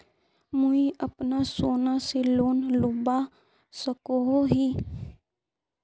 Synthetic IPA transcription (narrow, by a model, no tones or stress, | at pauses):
mʊiəpnasoːnaseloːnlʊba | səkoɦoɦiː